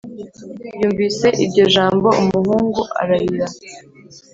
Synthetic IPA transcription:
juːɱviːse̞ʔibɟo̞ʒaːmbo̞umuhuːŋɡuʔa̰ɾahiɾa

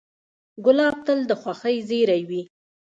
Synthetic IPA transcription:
ɡʊlɑb̚t̪əld̪əxwaxəjzeɾajwi

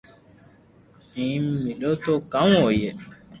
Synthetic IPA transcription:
ĩm̩mĩlotokãwɔjɛ

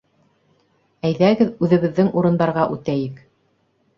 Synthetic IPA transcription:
æjðæɡɘðʉðɘ̆βɘ̆ðːɘŋuɾɤ̆nd̪ɑɾʁɑʔʉt̪æjɘk

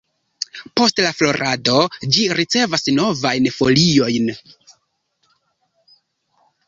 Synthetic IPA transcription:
po̞stlaflo̞ɾʔado̞d͡ʒiɾit͡se̞vasno̞vajnfo̞lio̞jn

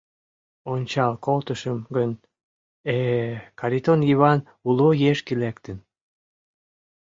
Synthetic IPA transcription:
onʲt͡ɕɑlkolt̪əʃəmɡən | ekɑɾit̪onjiβɑn | ulojeʃkelekt̪ən

